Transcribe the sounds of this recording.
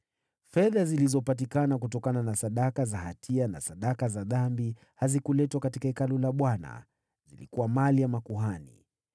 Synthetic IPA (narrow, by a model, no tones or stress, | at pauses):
fɛðazilizɔpat̬ikanak̬utɔkananasaɗakazahatʰiana̰saɗakazaðambi | hazikulɛtwakatikaɛkalɔlaɓwana̰ | zilikuwamalijamakuɦanḭ